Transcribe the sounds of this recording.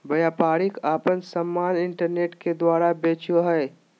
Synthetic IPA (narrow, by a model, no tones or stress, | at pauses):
bɐjaːpaːɾɪkaːpənsəmːaːnɪ̃ɳʈəɾneːʈked̪waːɾabeːt͡ʃoɦɛe